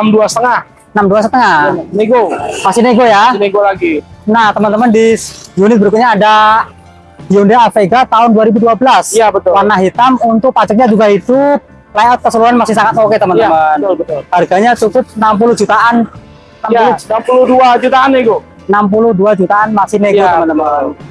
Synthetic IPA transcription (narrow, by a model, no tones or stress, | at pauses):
amduasə̥t̪əŋah | ənamduasət̪əŋaeɡomasɪneɡojanɡolaɡinaht̪əmənt̪əməndisjunɪt̪̚bəɾikut̪̚ɲaːda | iundeːfeɡat̪aʊnduaɾibuduabəlasjabət̪ʊpanaɦit̪amunt̪ʊk̚pad͡ʒak̚ɲad͡ʒuɡaɦit̪u | lajɔt̪̚kəsəluɾanmasɪhsaŋat̪̚moket̪əmənt̪əmənʊlbət̪ʊlharɡaɲat͡ʃukʊt̪̚ənamp̬ulʊhd͡ʒut̪aʔan | namulʊnampulʊduad͡ʒut̪aanːeɡo | nampulʊhduad͡ʒut̪aʔanmasɪneɡot̪əət̪əmən